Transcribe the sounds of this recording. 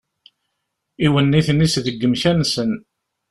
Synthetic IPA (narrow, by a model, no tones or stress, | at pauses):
iwənːiθənːisðəɡːəmçænsən